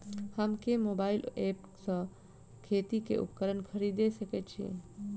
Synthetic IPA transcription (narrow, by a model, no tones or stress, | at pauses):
həmkemoːbaːɪleːp | sə̃ | kʰeːt̪ikḛʔʊ̰pkəɾənkʰəɾid̪esəket͡ʃʰiḛ̃